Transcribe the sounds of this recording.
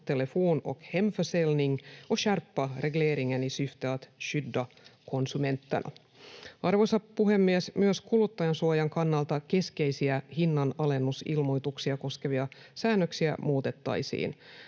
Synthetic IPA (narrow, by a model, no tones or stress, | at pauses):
t̪elefuːno̰khemfəselniŋoʃærpːɑreɡleːɾiŋːænisyft̪ɑːt̪ʃydːɑ | ko̞nsume̞nt̪ːɑ̰nʔɑ̰ | ɑrʋosɑpuɦe̞mːiɛsmyøskulut̪ːɑjɑnsuojɑŋkɑnːɑlt̪ɑke̞ske̞jsiæhinːɑnɑle̞nːusḭlmo̞jt̪uksiɑko̞ske̞ʋiɑ | sæːnːøksiæ̰muːt̪e̞t̪ːɑ̰jsḭːn